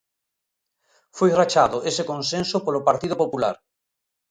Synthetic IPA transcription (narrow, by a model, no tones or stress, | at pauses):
fojrat͡ʃaðʊʔesekonsẽnsopolopaɾt̪iðopopula̰ɾ